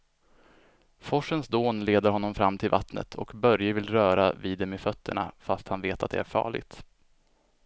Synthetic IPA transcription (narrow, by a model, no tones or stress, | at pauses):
fɔʂənsd̪oːnleːd̪əɾɦɔnːɔmfɾamːt̪ʰɪlva̰t̪nə̰t̪ʰɔ̰kbœɾjəvɪlɾœːɾa̰viːd̪ːɛmefœt̪ʰːəɳa̰fast̪hanveːt̪at̪̚d̪ɛ̰æɾfɑ̰ːɭɪ̰ɡt̪